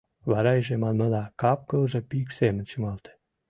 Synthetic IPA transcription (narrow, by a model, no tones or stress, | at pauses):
βɑɾɑiʒemɑnməlɑkɑp̚kəlʒɤ̆piksemənt͡ɕə̆mɤlt̪e̥